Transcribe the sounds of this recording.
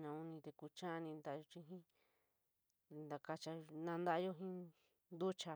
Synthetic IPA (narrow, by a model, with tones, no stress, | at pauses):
nã˧u˧nĩ˧t̪e˧ku˧t͡ʃã˦˧nĩ˧nd̪a˦ʔo˧t͡ʃĩ˧ɦĩ˦˧ | nd̪a˧ka˧t͡ʃa˧nã˧nd̪a˦ʔjo˦ɦĩ˦ | nd̪u˦t͡ʃa˧